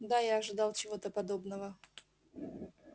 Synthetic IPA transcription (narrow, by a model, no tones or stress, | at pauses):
d̪ajaɐʐɨd̪ɑlˠt͡ɕɪvo̞t̪əpɐd̪o̞bnəvə